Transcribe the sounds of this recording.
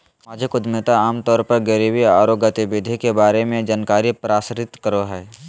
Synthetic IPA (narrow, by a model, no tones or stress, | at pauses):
maːd͡ʒʱəkʊd̪met̪aaːmt̪ɔːɾpəɾɡəɾiːwiaːɾoːɡət̪bɪd̪ʱikebaːɾemẽd͡ʒaːnkaːɾipɾaːsɾɪt̪kəɾoɦɛː